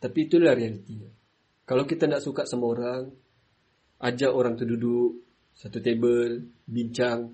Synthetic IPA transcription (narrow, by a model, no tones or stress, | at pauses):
t̪apiːt̪ulahɾealit̪iɲa | kalawkit̪andaʔsukaʔsamaoɾaŋ | ʔad͡ʒaʔoɾaŋt̪uhduduk | sat̪ut̪ebəlbiɲt͡ʃaŋ